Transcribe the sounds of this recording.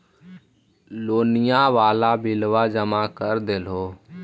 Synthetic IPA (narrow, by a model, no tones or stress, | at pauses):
loːnɪjãːʋaːlaːbɪlʋaːd͡ʒəmaːkəɾd̪elɦoː